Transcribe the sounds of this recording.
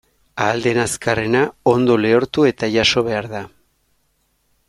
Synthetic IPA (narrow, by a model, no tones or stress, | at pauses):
aːld̪e̞naskare̞nao̞nd̪o̞leoɾt̪ue̞t̪aʝaso̞β̞e̞aɾða